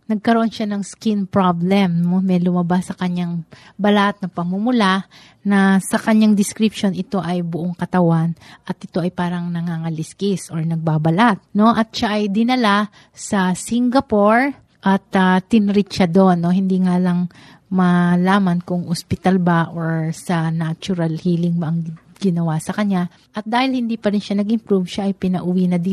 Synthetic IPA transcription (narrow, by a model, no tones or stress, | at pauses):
nɐɡ̚kɐɾoʔo̞nʃanɐŋskinpɹablɛmnomɛlʊmɐbasːɐkɐɲaŋ | bɐlat̪̚nɐpɐŋmumʊla | nɐsɐkɐɲːaŋd̪ɪskɾɪpʃo̞nʔɪt̪o̞ʔɐjbʊʔoŋkɐt̪ɐwanʔɐt̪ʔɪt̪o̞ʔɐjpaːɾɐŋnɐŋaŋɐlɪskisʔo̞ɹnɐɡ̚babɐlat̪̚no̞ʔɐt̪̚ʃaʔɐjd̪ɪnɐla | sɐsiŋɡɐpoɹ | ʔɐt̪ɐt̪ːɪnɾɪt͡ʃad̪o̞nːo̞ɦɪnd̪iŋaːlɐŋ | mɐlaːmɐnkʊŋhospɪt̪albaʔoɹsɐnat͡ʃʊɾɐlhiːlɪŋbɐʔɐŋ | ɡɪnɐwasɐkɐɲːa | ʔɐt̪̚d̪aːhɪlhɪnd̪iːpɐɾɪnʃanɐɡʔɪmpɾuvʃaʔɐjpɪnɐʔʊwinɐd̪iː